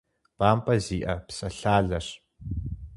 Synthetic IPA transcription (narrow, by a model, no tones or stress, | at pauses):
b̥aːmpʼɐziːʔɐpsɐɬaːɮɐr